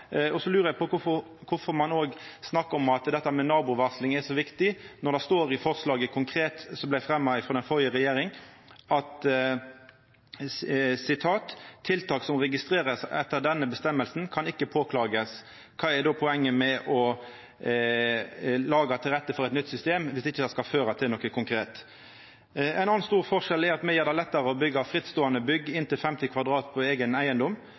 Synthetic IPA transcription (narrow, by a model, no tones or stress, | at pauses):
ɔsɔlʉːɾəjæɪpɔkʰʊfɔɾ | kʰʊfɔɾmɑnoːɡsnɑkːəɔmɑt̪d̪ɛt̪ːəmɛnɑːbʊʋɑslɪŋæsɔʋɪkt̪ɪnɔʁd̪ɛst̪oːɾɪfɔʁslɑːɡəkʰʊŋkʰɾeːt̪sɔmblæɪfɾɛmːɑɪfɾoːd̪ɛnfɔʁjəʁɛjeːɾɪŋ | ɑt̪ | sɪt̪ʰɑːt̪ʰːɪlt̪ʰɑːksɔmʁɛɡɪst̪ɾeːɾəsɛt̪ːəɾd̪ɛnːəbəst̪ɛmːəlsn̩kʰɑnɪkːəpʰoːkʰlɑːɡəs | kʰɑːɛɖɔːpʰɔɛŋːəmɛʔɔ | lɑːɡɑt̪ʰɪlʁɛt̪ːəfɔɾɛɪt̪nʏt̪ːsʏst̪eːmʋɪsd̪ɪçːəd̪ɛskɑføːɾɑt̪ʰɪlnɔkːəkʰʊŋkʰɾeːt̪ | æɪnɑnːnst̪uːʁfɔʁʂɛlɛɾɑt̪mɛjeːʁd̪æɪlɛt̪ːɑʁəɔbʏɡɑfɾɪt̪st̪oːɑnəbʏɡɪnt̪ɪlfɛmt̪ɪkʰʋɑd̪ʁɑːt̪pʰɔeːɡənæɪənd̪ɔm